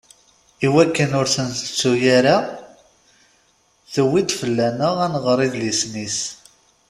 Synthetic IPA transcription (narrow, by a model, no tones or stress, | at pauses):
iwækːənʊɾsənt̪ə̥t͡sːujaɾa | θəwːid̪fəlːænəʁænʁɾˤiðlisnis